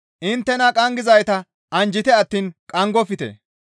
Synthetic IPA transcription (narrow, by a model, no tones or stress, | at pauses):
ʔɪnt̪ːɛnɐkʼɐŋɡɪzɐjt̪ɐ | ʔɐnd͡ʒɪt̪ɛɐt̪ːiːnkʼɐŋɡɔfɪt̪ḛ